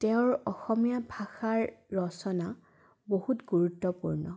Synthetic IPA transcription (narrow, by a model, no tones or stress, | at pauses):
tɛʊ̃ɹɔxɔmijabʱaxaɹːɔsɔna | bohutɡuɹutːɔpuɹnɔ